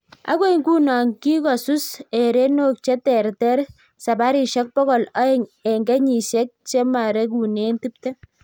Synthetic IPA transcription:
a̰˦kwe˦iŋku˦na˨ŋki˦kɔ˨su˦se˨ɾe˦no˦k̚t͡ʃe˦tɛ˨ɾtɛ˦ɾ | sa˨ba˦ɾi˨ʃɔ˦k̚pɔ˦kɔ˨la˦e˦ŋe˨ŋɡe˦ɲi˨ʃe˦k̚t͡ʃe˦ma˨ɾe˦k̬u˨ne˦nti˦p̚tɛ˦

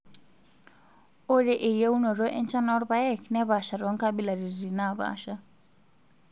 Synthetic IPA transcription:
o˦ɾɛ˨ʔe˨je˦u˦nɔ˨ɾɔ˦ʔɛ˦nt͡ʃa˦nɔ˦ɾβa˦ɛ˦˨knɛ˦βa˨ʃa˨ɾɔ˨˦ŋka˦bi˦la˨ɾi˨ri˨na˦˨βa̰˦ʃa˦

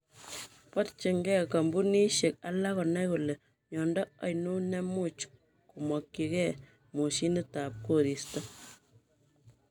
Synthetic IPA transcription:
pɔ˦tt͡ʃi˨ŋɡɛ˦ka˨mbu˦ni˦ʃe˨k̚a˦la˦kɔ˨nɛ˦ku˨le˨ | ɲɔ˨ndɔ˦ɔ˨jnu˦nɛ˦mu˦t͡ʃ | ku˨mɔ˨kːi˨kɛ˦˨ | mu˨ʃi˦ni˦ta˨p̚ko˦ɾi˨sta˦

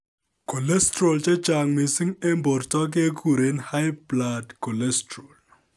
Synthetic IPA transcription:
ko˨lɛ˦stro˨lt͡ʃɛ˦t͡ʃa˨ŋmi˨si˦ŋɛ˦mbɔ˨rtɔ˦k̬e˦ku˨ɾe˦nha˦jpla˨dkɔ˨lɛ˦stro˨l

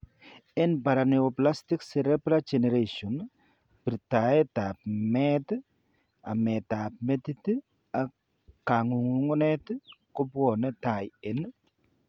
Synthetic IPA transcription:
ɛ˦npa˨ɾaneopla˦stɪksɛɾɛbɾad͡ʒɛnɛ˨ɾeʃɔ˨n | b̥iɾta˨ɛ˦ta˨p̚mɛ˦t | a̰˨mɛ˨ta˨p̚me˦tit | a˨ | ka˨ŋu˨ŋu˨ŋɔ˦nɛ˦tko˦bwɔ˨nɛ˦ta˨je˨n

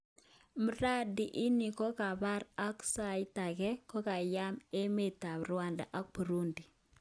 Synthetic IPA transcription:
mə˦ɾa˦di˨ʔɪ˦ni˨kɔ˦ka˨pa˦ɾa˦ksa˨ɪ˦ta˨kɛ˦kɔ˦ka˨ja˦me˦me˨tːa˨bɾwa˦˨nda̰˨ʔa˦k̚pu˨ɾu˦ndi˨

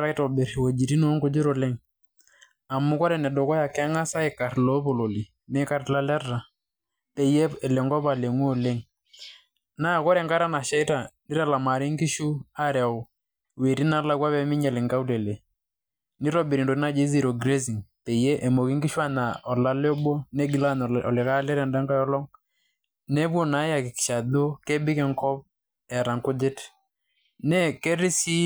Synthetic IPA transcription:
ɾa˦i˦tɔ˨bɛ˨ɾwo˨d͡ʒi˨ɾi˦no˦ŋɡo˦d͡ʒi˦ɾo˨le˦ŋ | a˨mu˦kɔ˦ɾɛ˨nɛ˨dɔ˨kɔ˦ja˨kɛ˦ŋa˦sa˦ɪ˨ka˨ɾlo˦po˨lo˨li˨ | mɛ˦ka˦ɾla˦lɛ˦rːa˨ | te˨jɛ˦ɛ˨lɛ˨ŋɡɔ˦ba˨le˨ŋu˦o˦˨le˦ŋ | na˦˨kɔ˦ɾɛ˨ŋɡa˦ɾa˦na˨ʃɛ˦i˦ta˨ni˦ɾa˨la˨ma˨ɾi˦ŋɡi˦ʃu˦a˦ɾɛ˨w | we˨ɾi˦na˦la˦kwa˦βɛ˦mɪ˦ɲɛ˨lɪ˨ŋɡa˦u˦lɛ˨le˨ | ni˦ɾɔ˦bi˨ɾi˨ndo˨ɾi˦na˦d͡ʒe˦zi˦˨ɾɔ˨ɡɾe˦zi˨ŋte˨je˦ʔɛ˨mo˨ki˦ŋɡi˦ʃu˦a˦na˨ɔ˨la˦lɔ˦ɓɔ˦nɛ˦ɡi˨la˦n˨ɔ̰˨lɪ˨ka˦lɛ˦ɾɛ˨nda˦ŋɡa˦jɔ˦lɔ˦ŋ | nɛ˦bwɔ˨na˨˦ja˨kɪ˨ki̥˨ʃa˨ðo˦kɛ˦bɪ˦kɛ˨ŋkɔ˦p̚ | ɛ˨ɾa˨ŋkʊ˦dɪ˦t | nɛ˦kɛ˦ɾi˦si˦

